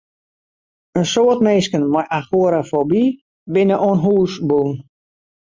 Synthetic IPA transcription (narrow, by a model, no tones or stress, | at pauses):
ənsoːətmeːskənmajʔaxuəɾafobi | bɪnəʔoənɦuːsbun